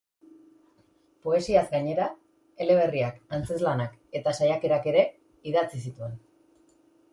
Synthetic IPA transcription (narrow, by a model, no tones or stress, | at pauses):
po̞e̞siazɡaɲe̞ɾa | e̞leβ̞e̞riakant͡se̞zlanak | e̞t̪asajake̞ɾake̞ɾe̞ | iðat͡sisit̪ue̞n